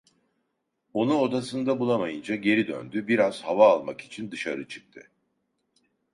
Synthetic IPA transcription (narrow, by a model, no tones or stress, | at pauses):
o̞nuo̞d̪asɯnd̪abulˠamajɯnd͡ʒaɟe̞ɾid̪ø̰nd̪ybiɾaz̥havaːlˠmaki̥t͡ʃʰind̪ɯʃaɾɯt͡ʃʰɯ̥k̚t̪ʰɯ̰